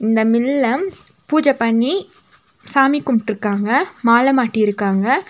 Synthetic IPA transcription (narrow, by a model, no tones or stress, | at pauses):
ɪnd̪ɐmɪlːɐ | puːd͡ʒɐpɐɳːi | saːmikːʊmʈɪɾɯkːaːŋɡɐmaːlɐmaːʈːiɪɾɯkːaːŋɡɐ